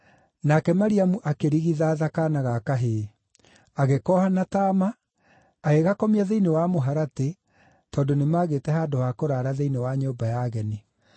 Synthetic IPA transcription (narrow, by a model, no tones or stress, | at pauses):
nakɛmaɾiamuʔakeɾiɣiðaːðakanaɣakaɦe | aɣekɔhanataːmaː | ɣeɣakɔmiaðeinewamoɦaɾate | tɔːndonemaːɣeːtɛɦaːdowakoɾaːɾaðeinewaɲoːbajaːɣɛni